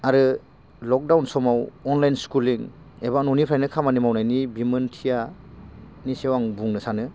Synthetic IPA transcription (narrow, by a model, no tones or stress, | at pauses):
aɾɯ | lɔk̚dawnsɔmawɔnlajnskuliŋ | ebanunipʰɾajnɯkʰamanimawnajnibimɯntʰija | nisewaŋbuŋnɯsanɯ